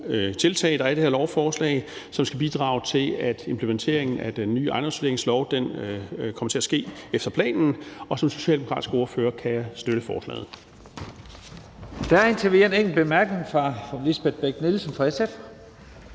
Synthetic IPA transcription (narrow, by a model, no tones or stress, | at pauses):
t͡sʰe̝lt͡sʰɛ̰ːɪd̥ɑ̈æɐd̥e̝hæɐlɒʊfɒːslɛ̰ɪsɒ̽msɡ̥æb̥id̥ʁɑ̰̈ːʊt͡sʰe̝læd̥e̝mpʰlement͡sʰe̝̰ɐ̰e̝ŋn̩æd̥enːy̰ːɑ̈n̥ʁɐsʋde̝ɐeŋslɒʊd̥enkʰɒmɐt͡sʰe̝æsɡ̥e̝̰ːefd̥ɐpʰlɛ̰ːnn̩ɒ̽sɒ̽mso̝ɕɛ̰ld̥emo̝kʰɑ̈ːdisɡ̥əo̝ɐføːɐkʰæsd̥øɾəfɒ̰ːslɛ̰ːð̩ˠ | d̥æent͡sʰeʋineŋ̰l̩b̥emæɐɡ̥ne̝ŋfʁɑ̈lisb̥ed̥̚b̥eɡ̥nilsənfʁɑ̈esef